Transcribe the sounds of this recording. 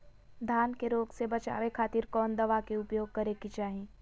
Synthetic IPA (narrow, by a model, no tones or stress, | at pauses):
d̪ʱaːnkeɾoːɡsebɐt͡ʃa̰ːʋekʰaːt̪iːɾkɔːnd̪ɐʋakeʊpjoːɡ̚kɐɾekit͡ʃaːɦẽː